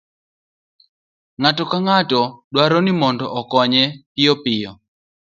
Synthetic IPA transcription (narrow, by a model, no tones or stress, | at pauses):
ŋatɔkaŋatɔɗwaɾɔnimɔndɔʔɔkɔɲɛpɪjɔpɪjɔ